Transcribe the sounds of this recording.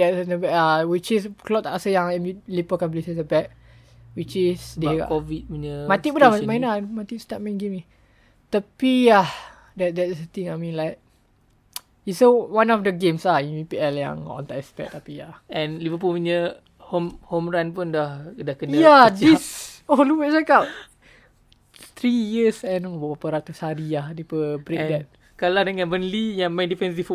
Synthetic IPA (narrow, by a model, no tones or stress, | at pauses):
dɛtsnəbɛʔawit͡ʃisklɔt̪akasəjãŋɛ̃nmilipəkãnp̬lesəsəbɛk̚ | wit͡ʃisdea̰kɔvit̚minəmat̪iudamajnamat̪istat̚mãnɡemi | t̪əpia | dɛt̚dɛtisət̪ĩŋamĩnlaɪk̚ | isowãnɔfdəɡẽmsahimĩpiɛljã̰ŋɔ̰̃nt̪aʔɛspɛ̰k̚t̪apiahɛ̃nlivəpumiɲə | homhomɹanpundahdahkənjadisoluwɛtsakaw | t̪ɾijəsɛ̃nobabapaɾat̪ushaɾiahdepəbɾeɛ̃dɛt̚ | kaladəŋãnbənlijãŋmãjndifɛ̃nsif